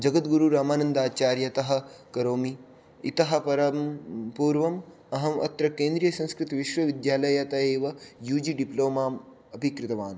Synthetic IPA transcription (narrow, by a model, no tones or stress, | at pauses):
d͡ʒɐɡɐt̪ɡuɾuɾaːmaːnɐnd̪aːt͡ʃaːɾjɐt̪ɐɦɐ̆kɐɾoːmiː | t̪ɐɦɐ̆pɐɾɐmpuːɾʋɐm | ɐɦɐmɐ̰t̪ɾɐkẽːnd̪ɾijɐsɐ̃ñskɾɪt̪iʋiʃʋɐʋid̪jaːlɐjɐt̪ɐeːʋɐjuːd͡ʒiɖiploːmaːm | ɐpikɾɪt̪ɐʋaːn